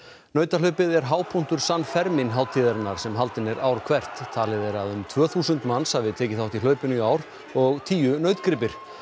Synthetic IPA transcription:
nœːɥt̪alœɥpɪðɛɾɦaːwpʰun̥t̪ʏɾ̥sanːfɛɾmɪnɦaːw̪t̪ʰiːðaɾɪnːaɾ̥sɛmɦalt̪ɪnɛɾʔaːwɾkʰvɛr̥t̪ʰːaːlɪðɛɾaðʏmt̪ʰvœːθuːsʏnt̪manshavɪðt̪ʰɛːcɪθawht̪ilœːɥpɪnʏiaːwɾ | ɔɣt̪ʰiːjʏnœɥt̪kɾɪp̬ɪɾ̥

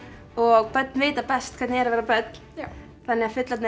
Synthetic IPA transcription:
ɔɣpœt̪nveːjt̪apɛst̪̚kʰvɛɾt̪nɪɛɾavɛːɾapœt̪n | θanːɛɣafʏt̪lat̪n

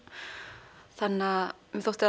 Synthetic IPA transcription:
θanːa | mɛθowht̪ɪ

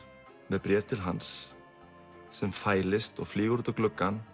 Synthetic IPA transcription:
mɛpɾjɛːɾt̪ʰɪlɦans | ɛmfaːjlɪst̪ɔɣfliːɣuɾt̪aklʏkːan

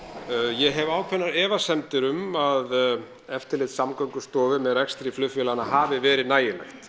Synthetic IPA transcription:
jɛɦɛvaːwkʰvɛnːaɾɛːvasɛmt̪ɪɾʏmað | ɛft̪ɪɾlɪːt̪samkœŋkʏ̥st̪ɔːvɪmɛðrɛkst̪ɾiflʏfjɛlanaɦaːvɪvɛːɾɪðnaːjɪlajxt̪

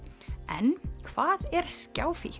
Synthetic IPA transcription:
ɛ̰nkʰv̥aːðɛɾ̥scaːwfi

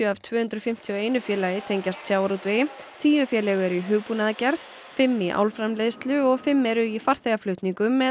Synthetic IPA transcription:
jʏavt̪ʰvœːhʏnt̪ɾʏfɪm̥t̪ʰjɔeːjnʏfjɛːlajɪt̪ʰejɲcast̪sjaːwɾut̪vɪ | t̪ʰiːjʏfjɛːlɛɣʏɛɾʏiɦʏːɣpunaðacɛɾð | fɪmːiʔa̰ːwlfɾamlejðst̪lʏɔɣfɪmːɛɾʏifaɾ̥θeɣaflœht̪niŋkʏmːɛ

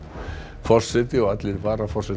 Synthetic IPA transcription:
fɔr̥sɛt̪ɪɔat̪lɪɾvaːɾafɔr̥sɛ

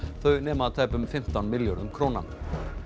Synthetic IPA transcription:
θœɥnɛːmat̪ʰajpʏmfɪm̥t̪awnmɪljɔɾʏmkʰɾoːna̰n

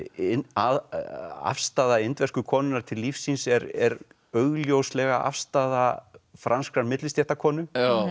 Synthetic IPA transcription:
ɪnaða̰fst̪aːðaɪnt̪vɛr̥skʏkʰɔːnʏnaɾ̥t̪ʰɪlːifsːinsɛɾɛɾ | œɣljowslɛɣaʔa̰fst̪aːðafɾʔanskɾanmɪt̪lɪst̪jɛht̪akʰɔːnʏ

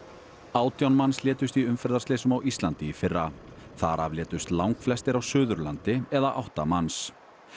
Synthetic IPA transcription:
aːwt̪jawnmanslɛːt̪ʏst̪iʏmfɛɾðaɾstleːsʏmawʔist̪lant̪ɪifɪrːaθaɾavljɛːt̪ʏst̪lawŋkflɛst̪ɪɾawsʏːðʏɾlant̪ɪɛðaʔawht̪amans

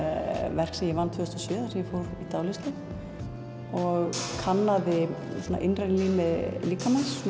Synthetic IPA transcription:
vɛr̥ksɛmjɛvanːt̪ʰfʏːʏst̪asʏːðasɛmjɛfoːwɾit̪aːwlɪst̪ɪ | ɔɣkʰanːaðɪsɔːna̰ʔɪnrɛnliːmɪliːkamans

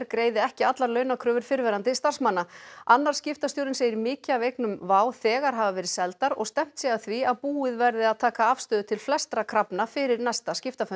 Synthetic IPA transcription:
ɾkɾeːjðɪɛhcɪat̪laɾlœːɥnakʰɾœːvʏɾ̥fɪɾvɛːɾant̪ɪst̪ar̥smanːaanːaɾ̥scɪft̪asjowɾɪnseːjɪɾmɪːcɪavejknʏmvaːwθɛːɣaɾ̥ɦaːvavɛːɾɪsɛlt̪aɾɔ̰ɣst̪ɛm̥t̪sjɛɣaθviaðpuːɪðvɛɾðɪaðt̪ʰaːkaav̥st̪œːðʏt̪ʰɪlflɛst̪ɾakʰɾapnafɪɾɪɾnajst̪ascɪft̪afʏ

